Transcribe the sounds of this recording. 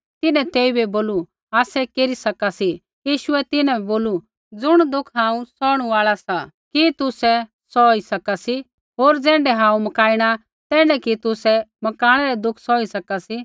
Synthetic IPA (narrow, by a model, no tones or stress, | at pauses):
t̪ɪnɛ̃t̪eːibɛboːlu | aːsɛkeːɾisɐkasi | jiːʃʊɛt̪ɪnɛ̃ɛboːlu | d͡zʊɽ̃d̪ʊkʰɦãːũsɔːɽ̃uʋaːɭasa | kit̪ʊsɛ | sɔːisɐkasi | ɦoːɾd͡zɛ̃ːɳɖɛɦãːũmɐkaːiɽ̃a | t̪ɛ̃ːɳɖɛkit̪ʊsɛmɐkaːɽ̃ɛɾɛd̪ʊkʰsɔːisɐkasi